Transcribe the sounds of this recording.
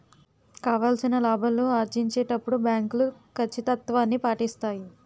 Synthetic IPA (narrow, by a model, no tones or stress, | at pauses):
kaːʋaːlsinɐlaːbʱɐlːoːaːɾd͡ʒiɲt͡ʃeːʈɐpːuɽubjaːŋklukʰɐt͡ʃːit̪ɐt̪ʋaːnːipaːʈist̪aːji